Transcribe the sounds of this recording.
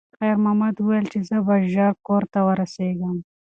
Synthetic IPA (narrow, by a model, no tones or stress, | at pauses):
xɛjɾmamɐd̪uwajəlt͡ʃezəbaʒɑɾkoːɾt̪awəɾɐseɡɐm